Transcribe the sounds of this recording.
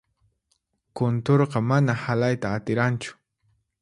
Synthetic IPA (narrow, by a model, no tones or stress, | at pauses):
kʊnt̪oɾqɑmanahalajt̪aːt̪ɪɾant͡ʃʊ̥